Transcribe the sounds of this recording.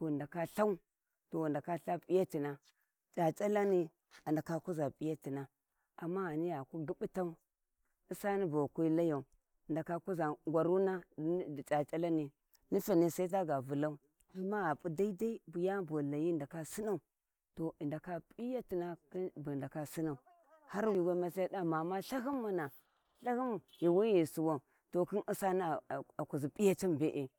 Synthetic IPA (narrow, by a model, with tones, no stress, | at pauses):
to˨nda˨ka˦ɬa˦u˦ | to˨nda˨ka˦ɬa˦pʼi˦ja˦ti˨na˨ | t͡ʃa˨t͡ʃʼa˦la˦ni˨ | a˨nda˨ka˦ku˦za˨pi˦ja˦ti˨na˦ | a˨mːa˦a˨ni˦ja˨ku˦ɡi˦ɓu˦ta˦u˦ | i˦sa˦ni˦bo˨kʷu˦i˦la˦ja˨u˨ | nda˨ka˦ku˦za˨ŋɡʷa˨ɾu˦na˦˨t͡ʃa˨t͡ʃʼa˦la˦ni˨ | ni˦fa˨ni˨sa˦i˦t̬a˦ɡa˨vu˨la˦u˦ | i˦ma˦a˨pu˦da˦i˦da˦i˦bu˨ja˦bo˨la˨ji˦˨nda˨ka˦si˦na˦u˨ | to˨i˨nda˨ka˦pʼi˦ja˦ti˨na˦ki˦bu˨da˨ka˨si˦na˨u˨ | ha˦ɾwi˦˨ɡa˦ma˦s̬a˦a˦da˦ma˨ma˦ɬa˦ɦi˦mːa˦na˨ | ɬa˦hi˦m˨ji˨wa˦ji˨su˨wa˨ | to˨ki˦nʔi˦sa˦ni˦˨a˨ku˨zi˨pʼi˦ja˦t͡ʃi˦mbe˨ʔe˨